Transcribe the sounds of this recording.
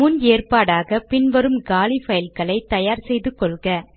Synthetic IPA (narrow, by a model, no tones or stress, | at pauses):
mʊneːrpaːɽaːɣɐpɪnʋɐɾɯmɡaːlifɐjɪlkɐɭɐɪt̪ɐjaːɾsɛjðɯkːɔɭɣɐ